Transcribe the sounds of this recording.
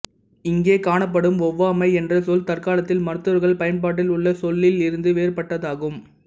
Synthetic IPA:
ɪŋɡeːkaːɳɐp̬ːɐɽɯmɔʋːɐɐmɐɪɛndrɐsɔlt̪ɐrkaːlɐt̪ːɪlmɐɾɯt̪ːɯɐɾɣɐɭpɐjɐnpaːʈ̬ːɪlʊɭːɐsɔlːɪlɪɾɯnd̪ɯʋeːrpɐʈːɐðaːɣɯm

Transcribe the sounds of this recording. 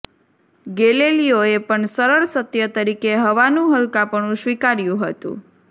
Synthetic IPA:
ɡelelijoepəɳsəɾəɭsət̪jət̪əɾikeɦəʋanũɦəlkapəɳũʃʋikaɾjũɦət̪ṵ̃

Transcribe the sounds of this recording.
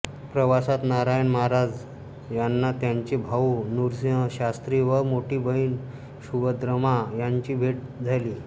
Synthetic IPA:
pɾəʋasat̪naɾajnmaɦaɾad͡z | janːat̪jaɲt͡ɕibʱaunuɾsjə̃ɕast̪ɾiʋəɾmoʈiːbəiːn | ɕuɡəd̪ɾəmajaɲt͡ɕiːbʱeʈ̚d͡zʱaliː

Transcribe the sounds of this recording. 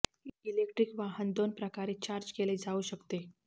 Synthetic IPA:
ilekʈɾikʋaɦənd̪onpɾəkaɾiːt͡ɕaɾd͡ʑkeled͡zauɕəkt̪e

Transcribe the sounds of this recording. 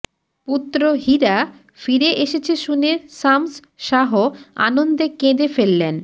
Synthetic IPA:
put̪ːɾoɦiɾa | fiɾeʔeʃet͡ɕʰeʃuneʃams | ʃaɦoa̰nond̪ekẽd̪efelːen

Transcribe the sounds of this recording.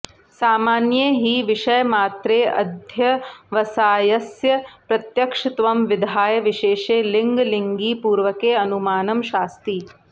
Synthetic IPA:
saːmaːnjeɦiʋiʃɐjɐmaːt̪ɾeːʔɐ̰d̪ʱjɐʋɐsaːjɐsjɐpɾɐt̪jɐkʂɪt̪ʋɐmʋid̪ʱaːjɐʋiʃeːʃeːliŋɡliŋɡiːpuːɾʋɐkeːɐnumaːnɐmʃaːst̪iː

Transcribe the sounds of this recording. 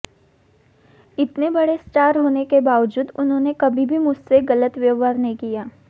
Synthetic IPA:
ɪt̪nebɐɽesʈaːɾɦoːnekebaːʋəd͡ʒuːd̪ʊnɦõːnekɐbʱibʱimʊd͡ʒʱseɡɐlət̪ʋeʋaːɾnɐɦĩkijaː

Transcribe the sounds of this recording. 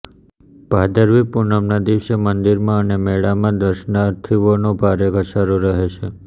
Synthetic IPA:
b̥ʱad̪əɾʋipuɾnəmnad̪iʃemənd̪iɾmãənemeɭamãd̪əɾʃnaɾt̪ʰiʋonobʱaɾeɡʱəʃaɾoɾəɦet͡ʃʰe

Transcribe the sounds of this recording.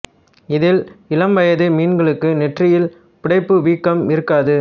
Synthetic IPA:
ɪðɪlɪlɐmʋɐjɐðɯmiːnɡɐɭɯkːɯnɛʈrɪjɪl | pɪɽɐɪpːɯʋiːkːɐmɪɾɯkːaːðɯ

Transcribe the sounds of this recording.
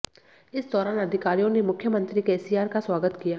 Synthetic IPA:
ɪsd̪ɔːɾaːnɐd̪ʱɪkaːɾijõnemʊkʰjəmə̃nt̪ɾikeːsiːaːɾkaswaːɡət̪kijaː

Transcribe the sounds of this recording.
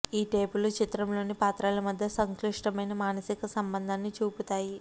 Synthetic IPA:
iːʈe̞ːbulut͡ʃit̪ɾɐmlo̞ːnipaːt̪ɾaːlɐmɐd̪ʱjɐsɐŋkliʂʈɐmɐjnɐmaːnɐsikɐsɐmbɐnd̪ʱaːnːit͡ʃuːput̪aːji

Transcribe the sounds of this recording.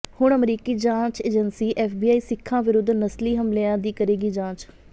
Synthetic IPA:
hʊɳəmɾiːkiːd͡ʒãːt͡ʃeːd͡ʒənsiːʔɛːfbiːaːiːsɪkʰːãːʋɪɾʊd̪ːnəsliːɦəmlɪjãːd̪iːkəɾeːɡiːd͡ʒãːt͡ʃ

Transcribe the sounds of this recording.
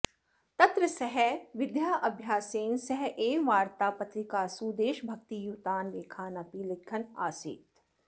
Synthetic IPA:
t̪ɐt̪ɾəsɐɦɛʋɪd̪jaːʔɐbʱjaːseːnsɐɦɛʔeːʋaːɾt̪aːpɐt̪ɾɪkaːsuːd̪eːʃbʱɐk̚t̪ijuːt̪aːnʋeːkʰaːnɐpiːlɪkʰːɐna̰ːsḭːt̪

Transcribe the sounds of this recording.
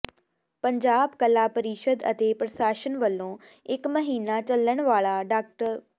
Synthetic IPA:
pɐɲd͡ʑaːbkɐlapəɾiːʃəd̪ɐ̰t̪eːpɾɐʃaːʃənʋɐlõ | ɪkmɐɦiːnat͡ɕɐləɽ̃ʋaːɭaɖaːk̚ʈəɾ

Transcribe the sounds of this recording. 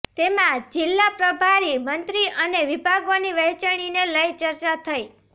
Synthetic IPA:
t̪emãd͡ʒɪlːapɾəbʱaɾimənt̪ɾiʔəneʋibʱaɡoniʋəɦt͡ʃəɽ̃ineləjt͡ʃəɾt͡ʃat̪ʰəi

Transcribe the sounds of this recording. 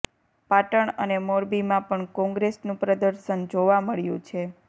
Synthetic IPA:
paʈəɳənemoɾbimãpəɳkɔ̃ŋɡɾesnũpɾəd̪əɾʃənd͡ʒoʋaməɭjṵ̃t͡ʃʰe

